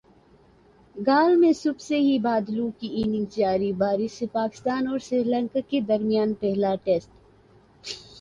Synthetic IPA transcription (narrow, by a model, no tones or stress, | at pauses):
ɡaːlmẽsʊbseɦibaːd̪luːkiiːnɪ̃ŋɡd͡ʒaːɾibaːɾɪsepaːkɪ̥st̪aːnɔːɾsiɾlə̃ŋkaked̪ɐɾmɪjaːnpɛɦlaʈeːsʈ